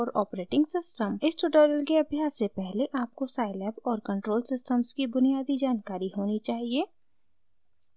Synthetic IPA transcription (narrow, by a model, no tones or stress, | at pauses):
ɔːɾɔːpɾeːʈɪ̃ŋɡsɪsʈəmɪsʈʊɖɔːɾəlkeɐbʱjaːsːepɛɦleʔaːp̚kosaːɪlɛːpɔːɾkɐ̃ɳʈɾoːlsɪsʈəmskibʊnijaːd̪id͡ʒaːnkaːɾiɦoːnit͡ʃaːɦieː